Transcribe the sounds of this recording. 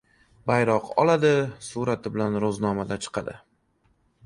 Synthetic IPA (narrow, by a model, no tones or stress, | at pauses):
bajɾɒqɒ̰lad̪ɪsuɾat̪ʰɪbɪlanɾoznɒmad̪at͡ʃʰɨ̥qʰɑd̪ɪ̰